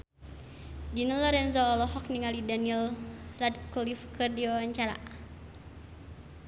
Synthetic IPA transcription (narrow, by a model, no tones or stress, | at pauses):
dinəlɔɾɛnzɔːlɔɦɔk̚niŋalidaniɛlradkɔlifkərdiɔaɲt͡ʃaɾa̰